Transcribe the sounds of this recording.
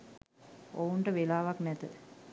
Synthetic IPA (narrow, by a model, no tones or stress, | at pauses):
ouɳʈəʋelaːʋaknɛt̪ə